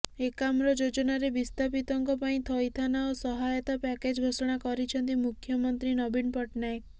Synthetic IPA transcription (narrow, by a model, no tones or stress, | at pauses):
ekamɾɔd͡ʒod͡ʒɔnaɾebist̪ʰapit̪ɔŋkɔpaĩt̪ʰɔjt̪ʰanaosɔɦajɔt̪apɛked͡ʒɡʱosɔɽ̃akɔɾit͡ʃʰɔnt̪̬imukʰːjɔmɔnt̪ɾinɔbinpɔʈnaek